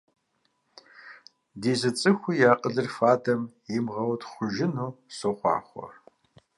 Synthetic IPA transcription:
diːzɨt͡sʼɨxʷijaːqʼəɮɨrfaːdɐm | jimʁɐwdχʷʊʒɪnuːsoχʷɑ̰ːχʷɔ̰

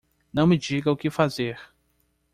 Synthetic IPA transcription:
nɐ̃w̃mɪd͡ʒiɡɐʊkɪfazeɾ

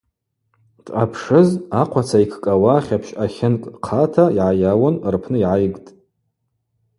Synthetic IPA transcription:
tʼapʰʂɨzaqʷʰat͡sʰaikʰkʼawaːχʲapʰʃaχʲɪnkʼqʰatʰaiʕajawʊnrpʰnɨiʕajɡtʼ

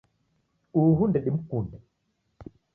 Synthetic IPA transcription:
uɦundɛɗim̩kundɛ

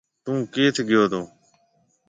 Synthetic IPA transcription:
t̪ũːkeːt̪ʰːɡɪjoːd̪õː

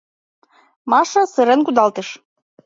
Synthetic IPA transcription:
mɑʃɤ̆sɨɾenkud̪ɑlt̪eʃ

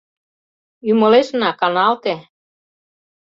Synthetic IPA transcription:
ymoleʃnɑkɑnɑlt̪e

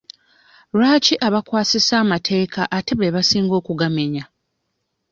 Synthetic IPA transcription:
ɾaːciʔaβakwaːsisaːmatʰe̞ːkaʔate̞βeβasiːŋɡo̞ːkuɡame̞ɲa

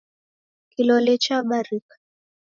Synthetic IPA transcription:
kilɔlɛt͡ʃaɓaɾikḁ

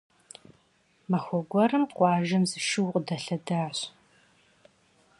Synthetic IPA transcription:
mɐxʷɔɡʷɔrɨmqʷɑːʒɐmzɨʃɪwqdɐɬɐdɐʕɕ

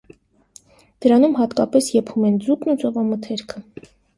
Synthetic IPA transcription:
d̪̥əɾɑnumɦɑt̪kɑpɛsjɛpʰumɛnd͡zuknut͡sɔvɑmət̪ʰɛɾkʰə

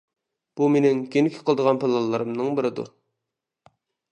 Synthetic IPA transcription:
b̥umenɪŋkʲenɪkʲʰɪ̥qʰəlˠɨd̪əʁɑnpʰelˠɑlˠːɨɾɨmnɨŋbɪɾɪd̪ṵ

